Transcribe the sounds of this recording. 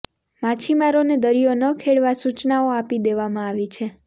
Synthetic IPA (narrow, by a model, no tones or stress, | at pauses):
mat͡ʃʰimaɾoned̪əɾijonəkʰeɭʋasut͡ʃnaoapid̪eʋamãaʋit͡ʃʰe